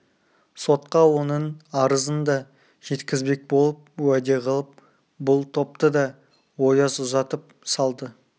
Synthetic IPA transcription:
so̞t̪̚qɑwo̞nənɑɾəzənd̪ɑ | ʒ̥e̞t̪kʲɪzbe̞k̚bo̞lˠəp̚wæd̪e̞qʰəlˠəp̚ | bʊlˠt̪ʰo̞p̚t̪əd̪ɑ | wo̞jɑzʊzɑt̪əp̚ | sɑlˠd̪ə

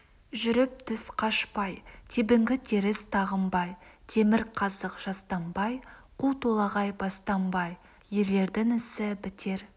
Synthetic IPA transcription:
ʒʏɾɪp̚t̪ʰʏsqʰɑʃpɑjt̪ʰebɪŋɡʲɪt̪ʰeɾɪst̪ʰɑʁəmbɑjt̪ʰe̞mɪɾqʰɑzəqʒ̥ɑst̪ɑmbɑjqʰut̪ʰolˠɑʁɑjbɑst̪ɑmbɑj | je̞le̞ɾd̪ɪŋɪsɪbɪt̪ʰe̞ɾ

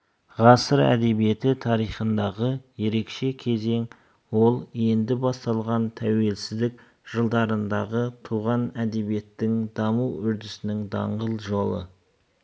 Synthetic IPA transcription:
ʁɑsəɾæ̰d̪e̞bije̞t̪ɪt̪ʰɑɾijχənd̪ɑʁəje̞ɾe̞kʃe̞kʲʰe̞ze̞ŋ | wo̞lˠje̞nd̪ɪbɑst̪ɑlˠʁɑnt̪ʰæwe̞lsɪzd̪ɪk | ʒ̥əlˠd̪ɑɾənd̪ɑʁət̪ʰuʁɑnæd̪e̞bije̞t̪ːɪŋd̪ɑmuʏɾd̪ɪsɪnɪŋd̪ɑ̰ɴʁəlˠʒo̞lˠə̰

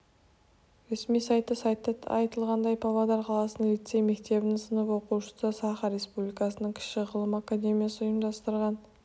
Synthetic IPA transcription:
ɾe̞smijsɑjt̪ːəsɑjt̪ːəɑjt̪əlˠʁɑnd̪ɑjpʰavad̪ɑɾqʰɑlˠɑsənlit̪sejmekt̪e̞bɪnsənəpwo̞quwʃə̥səsɑχɑɾe̞spublijkɑsənəɴkʲʰɪ̥ʃɪʁəlˠəmakad̪ʲe̞mʲijasəʊjəmd̪ɑst̪əɾʁɑn

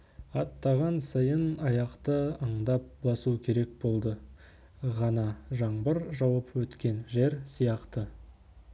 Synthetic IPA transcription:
ɑt̪ːɑʁɑnsɑjənɑjɑqt̪əəɴd̪ɑp̚bɑsukʲʰe̞ɾe̞k̚bo̞lˠd̪ə | ʁɑnɑʒɑɴbəɾʒɑwɑpwɵt̪kʲe̞nʒe̞ɾsijɑqt̪ə

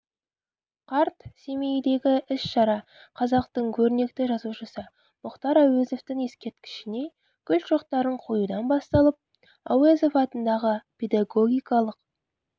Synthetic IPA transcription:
qʰɑɾt̪se̞mejd̪e̞ɡʲɪʔɪsʃɑɾɑ | qʰɑzɑqt̪əɴkʲʰɵɾɪne̞k̚t̪ɪʒɑzuʃəsə | mʊqt̪ɑɾawezo̞ft̪ɪŋe̞skʲe̞ɾt̪kʲʰɪ̥ʃɪne̞ | kʲʰʏlt̪ʃoqt̪ɑɾəɴqʰo̞jud̪ɑnbɑst̪ɑlˠəp̚ | a̰wezo̞fɑt̪ənd̪ɑʁəpʰe̞d̪ɑɡo̞ɡʲijkɑlˠəq̚

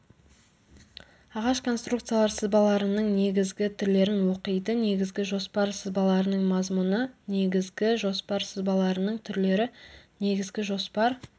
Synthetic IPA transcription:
ɑʁɑʃkʰo̞nst̪ɾukt̪sɨjalˠɑɾsəzbɑlˠɑɾənəɴne̞ɡʲɪzɡʲɪt̪ʰʏɾle̞ɾɪnwo̞qəjd̪əne̞ɡʲɪzɡʲɪʒo̞spɑɾsəzbɑlˠɑɾənəɴmɑzmunəne̞ɡʲɪzɡʲɪʒo̞spɑɾsəzbɑlˠɑɾənəɴt̪ʰʏɾle̞ɾɪne̞ɡʲɪzɡʲɪʒo̞spɑɾ

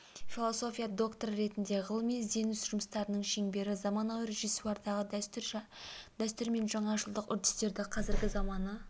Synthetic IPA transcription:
fʲilˠo̞so̞fʲijad̪o̞kt̪oɾɾe̞t̪ɪnd̪e̞ʁəlˠəmijze̞nʏsʒʊməst̪ɑɾənəɴʃe̞ŋbe̞ɾɪzɑmɑnɑwɾe̞ʒisuɑɾd̪ɑʁət̪ | d̪̥æst̪ʏɾme̞nʒɑɴɑʒəlˠd̪əqʏɾd̪ɪst̪e̞ɾd̪ɪqʰɑzɪɾɡʲɪzɑmɑnə

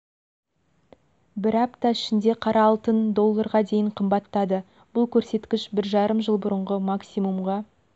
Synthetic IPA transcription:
bɪɾɑpt̪ɑɪʃɪnd̪e̞qʰɑɾʔɑːlˠt̪ənd̪o̞lˠːɑɾʁɑd̪e̞jɪɴqʰəmbɑt̪ːɑd̪ə | b̥ʊlˠkʲʰɵɾse̞t̪kʲɪʃbɪɾʒɑɾəmʒəlˠbʊɾəɴʁəmaksijmumʁɑ

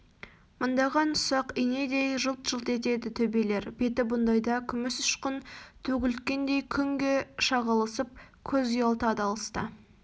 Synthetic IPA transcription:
mʊnd̪ɑʁɑnʊ̥sɑqine̞d̪e̞jʒəlˠt̪ʒ̥əlˠt̪e̞t̪e̞d̪ɪt̪ʰɵbele̞ɾbe̞t̪ɪbʊnd̪ɑjd̪ɑkʲʰʏmɪsʊ̥ʃqənt̪ʰɵɡʲɪlt̪kʲe̞nd̪e̞jkʲʰʏŋɡʲe̞ʃɑʁɑlˠəsəp̚kʲʰɵzijɑlˠt̪ɑd̪ɑlˠəst̪ə̰

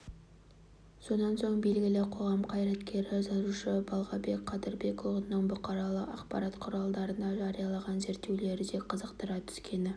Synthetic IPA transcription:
so̞nɑnso̞ɴbe̞lɡʲɪlɪqʰo̞ʁɑmqʰɑjɾɑt̪kʲʰe̞ɾɪzɑɾuʃəbɑlˠʁɑbe̞kqʰɑd̪əɾbe̞kʰovənːəɴbʊqɑɾɑlˠəɑqpɑ̰ɾɑt̪qʰʊɾɑlˠd̪ɑɾənd̪ɑʒɑɾijɑlˠɑʁɑnze̞ɾt̪ːe̞wle̞ɾɪd̪e̞qʰəzəqt̪əɾɑt̪ʰʏ̥skʲʰe̞nɪ

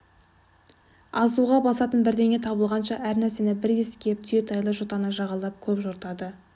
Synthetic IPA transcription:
ɑzuʁɑbɑsɑt̪ənbɪɾd̪e̞ŋʲe̞t̪ʰɑbəlˠʁɑnʃɑʔæɾnæɾse̞nɪbɪɾeskʲep̚t̪ʰʏje̞t̪ʰɑjlˠəʒot̪ɑnəʒɑʁɑlˠɑp̚kʲʰɵpʒoɾt̪ɑd̪ə

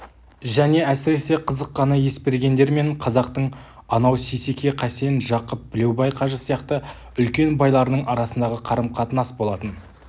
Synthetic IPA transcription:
ʒæne̞æsɪɾe̞se̞qʰəzəqːɑnɑje̞spe̞ɾɡʲe̞nd̪e̞ɾme̞ɴqʰɑzɑqt̪əɴ | ɑnɑwsesekʲʰe̞qʰæse̞nʒɑqəp̚b̥ɪle̞wbɑjqʰɑʒəsijɑqt̪ə | ʏlkʲe̞nbɑjlˠɑɾənəɴɑɾɑsənd̪ɑʁəqʰɑɾəmqʰɑt̪ənɑsbo̞lˠɑt̪ən

